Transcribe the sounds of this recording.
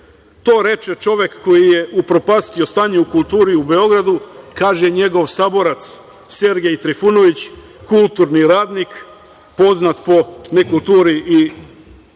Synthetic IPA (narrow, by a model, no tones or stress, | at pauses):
t̪o̞ːɾe̞t͡ʃet͡ʃo̞ʋjekːo̞jijeʔupɾo̞past̪io̞st̪aːɲeukulˠt̪uːɾiube̞o̞ɡɾad̪ukaːʒeɲe̞ɡo̞ʋsaːbo̞ɾat̪s | se̞ɾɡeit̪ɾifuno̞ʋit͡ɕ | kulˠt̪uɾniɾaːd̪nik | po̞znat̪po̞nekulˠt̪uːɾiʔi